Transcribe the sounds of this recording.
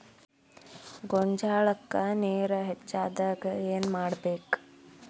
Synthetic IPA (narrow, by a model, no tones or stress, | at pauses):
ɡɔɲd͡ʒaːɭɐkːɐneːɾɐɦet͡ʃːaːd̪aːɡɐeːnmaːɽbeːk